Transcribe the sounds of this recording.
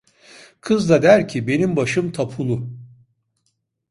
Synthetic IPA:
kʰɯzd̪ad̪æɾcʰibe̞nimbaʃɯmt̪ʰapʰulˠu

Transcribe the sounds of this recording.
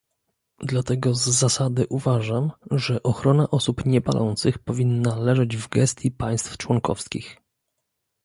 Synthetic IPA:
d̪lat̪ɛɡɔzːasad̪ɘʔuvaʐamʐɛʔɔxɾɔnaʔɔsupɲɛpa̰lʔɔ̰nt̪sɘxpɔvʲinːalɛʐɛd͡ʑvɡɛst̪ʲjipaj̃st̪ft͡ʂwɔŋkɔ̰fskʲḭx

